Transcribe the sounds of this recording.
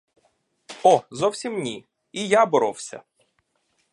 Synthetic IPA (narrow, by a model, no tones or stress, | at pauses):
ɔzɔwsʲimnʲi | ijabɔɾɔwsʲɐ̰